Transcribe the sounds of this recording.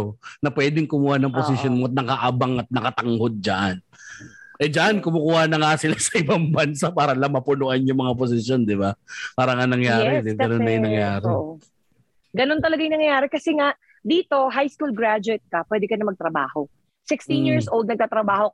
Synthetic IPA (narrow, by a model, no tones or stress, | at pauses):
onɐpwɛːd̪ɪŋkʊmuːhanɐŋposɪsjonmoɐt̪̚nɐkaʔabaŋɐt̪̚nɐkɐt̪ɐŋhod̪̚d͡ʒɐʔan | ʔɛd͡ʒɐʔankʊmʊkuːhanɐŋasɪlasɐʔɪbaŋbɐnsapaːɾɐlamɐpʊnoʔanjʊŋmɐŋap̬os̬ɪsjo̞nd̪ɪbapaːɾɐŋanɐŋjaːɾɛd̪ɐnonɐjʊnɐŋjaːɾɛʔo | ɡɐnont̪ɐlɐɡajnɐŋjɐjaːɾɛkɐsɛŋaʔ | d̪iːt̪o̞ɦajskuːlɡɹad͡ʒʊɛt̪̚kɐpwɛd̪ɛkɐnɐmɐɡ̚t̪ɾɐbaːho | sɪkst̪injiɹsʔold̪nɐɡ̚t̪aːt̪ɾɐbaːho̞